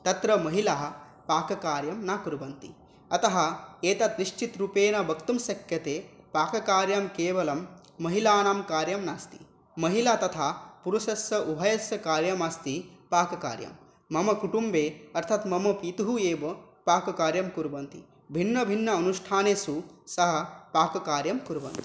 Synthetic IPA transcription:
t̪ɐt̪ɾɐmɐɦilaːɦɐ̆ | paːkɐkaːɾjɐmnaːkuɾubɐnt̪ḭ | ɐt̪ɐɦɐ̆eːt̪ɐt̪niʂt͡ʃit̪ɾupeːnɐbʱɐkt̪ɐmsɐkjɐt̪eːpaːkɐkaːɾjɐmkeːʋɐlɐmː | ɐɦilaːnaːmkaːɾjɐmnast̪i̥ | mɐɦilaːt̪ɐt̪ʰaːpuɾuʃɐsɐʔubʱɐjɐsjɐkaːɾjɐmɐst̪ipaːkɐka̰ːɾjɐ̰mː | ɐmɐkuʈumbeːɐɾt̪ʰɐt̪mɐmɐpit̪uɦueːʋɐ | paːkɐkaːɾjɐmkuɾubɐnt̪ḭ | bʱinːɐbʱinːɐːnuʂʈʰaːneːsusɐɦɐ̆paːkɐkaːɾjɐmkuɾubɐ̰nt̪i̥

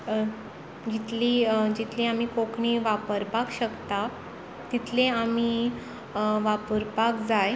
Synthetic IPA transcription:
d͡ʑit̪ʰliːd͡ʑit̪ʰlĩamikokʰɳiʋapəɾpakɕəkt̪a | t̪it̪ʰleami | ʋapəɾpakd͡zaj

